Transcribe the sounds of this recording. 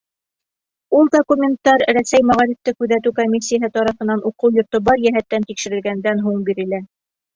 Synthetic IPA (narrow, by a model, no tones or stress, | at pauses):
ulˠd̪okumʲent̪ːɑɾɾæsæjmæʁɑɾift̪ɘkʉðæt̪ʉkomʲis̬ʲːijaɦɤt̪ɑɾɑfɤ̆nɑnʔuqɤwjŏɾt̪obɑɾjæɦæt̪ːænt̪ikʃɘ̆ɾɘ̆lɡænd̪ænɦuɴbiɾɘ̆læ